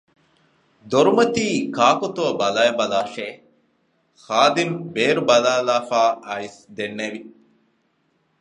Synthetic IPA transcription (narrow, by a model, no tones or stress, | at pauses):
d̪oɾumɐt̪iːkaːkot̪oːbɐlajɐbɐlaːʃeː | xaːd̪imbeːɾubɐlaːlaːfaːʔɐisd̪enːeʋi